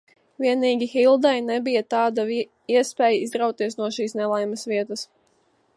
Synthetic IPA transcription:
viɛniːɡʲixilˠd̪ajnɛbijat̪ɑːd̪a | iɛspɛːjaizd̪ɾawt̪iɛsnuɔʃiːsnɛlˠajmɐsʋiɛt̪əs

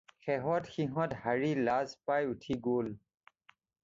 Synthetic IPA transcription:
xɛɦɔtxiɦɔ̃thaɹilazpajutʰiɡol

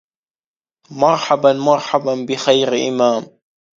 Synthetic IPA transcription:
mɑɾˤħabanmɑɾˤħabanbɪxajɾʔɪ̰maːm

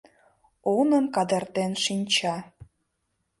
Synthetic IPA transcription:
onə̆mkɑd̪ərt̪enʃinʲt͡ɕɑ

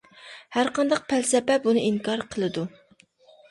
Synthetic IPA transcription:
hæɾqʰɑnd̪ɑq̚pʰælsɛpɛp̚bunɨiŋkʰɑɾqʰəlˠɨd̪u

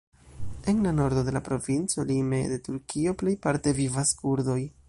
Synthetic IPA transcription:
e̞nlano̞ɾdo̞delapɾo̞vint͡so̞lime̞de̞tuɾkʰio̞ple̞jpaɾte̞vivaskuɾdo̞j

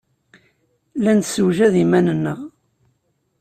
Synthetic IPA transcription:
lænsuwʒæðimænənːəʁ

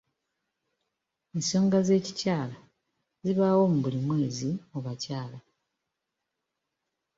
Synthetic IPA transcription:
enso̞ːŋɡaze̞ːcicaːla | ziβawo̞muβulimwe̞ːzioβacaːla

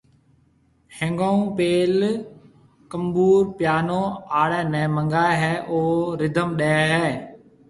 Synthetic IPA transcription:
hẽŋɡãːũːpeːl | kəmbuːɾpjaːnõːaːɽɛ̃ːnɛ̃ːmə̃ŋɡaːeɦɛːʔoːɾɪd̪ʱəmɗɛːɛɦɛː

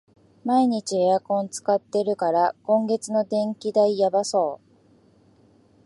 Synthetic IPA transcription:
maiɲ̟it͡ɕieakõ̞nt͡sɨ̥kat̪ːe̞ɾɯ̟kaɾakõ̞ŋɡe̞t͡sɨno̞d̪ẽ̞ŋkʲid̪aijabaso̞ː

